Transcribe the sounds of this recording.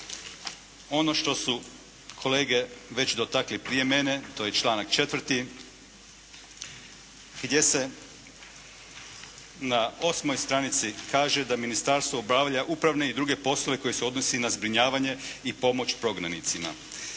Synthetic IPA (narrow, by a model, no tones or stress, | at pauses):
o̞noʃt̪o̞su | kʰo̞le̞ːɡe̞ʋe̞t͡ɕd̪o̞t̪aklipɾije̞me̞ne̞t̪o̞jet͡ʃlˠaːnakt͡ʃe̞t̪ʋr̩t̪i | ɡ̥d̪je̞se̞ | nao̞smo̞jst̪ɾanit̪sikʰaːʒe̞d̪aminist̪aːɾst̪ʋo̞ubɾaːʋʎaʔupɾaʋne̞id̪ɾuɡe̞po̞slˠo̞ʋe̞ko̞jeseo̞d̪no̞sinazbɾiɲaːʋaɲe̞ipo̞mo̞t͡ɕpɾo̞ɡnanit̪sima̰